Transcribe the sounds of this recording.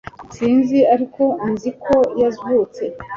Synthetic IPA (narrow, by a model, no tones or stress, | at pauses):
siːnziaɾiko̞inzikʰo̞jazut͡se̞